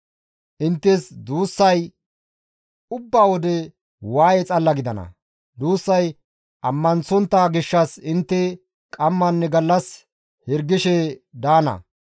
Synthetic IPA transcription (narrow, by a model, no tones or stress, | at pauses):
ʔɪnt̪ːɛsd̪uːsːɐj | ʊbːaːwɔd̪ɛ | waːjɛt͡sʼɐlːɐɡɪd̪ɐnɐ̰ | d̪uːsːɐj | ʔɐmːɐnt͡sɔnt̪ːaɡɪʃːɐsɪnt̪ːɛ | kʼɐmːɐnːɛɡɐlːɐs | hɛɾɡɪʃɛd̪aːnɐ̰